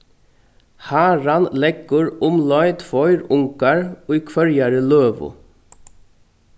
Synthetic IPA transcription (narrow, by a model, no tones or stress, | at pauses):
hæːɹɑnlɛɡəɹʊmlɑɪt̪ʰfɔʏɾʊŋkɑɹoːiːkʰʋœɹjæɹəløːʋʊ̰